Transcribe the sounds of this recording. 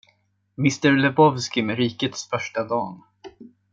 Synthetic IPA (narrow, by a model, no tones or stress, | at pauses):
mɪst̪əɾlɛbɔvskɪmɛɾiːkət̪sfœʂʈad̪ɑːn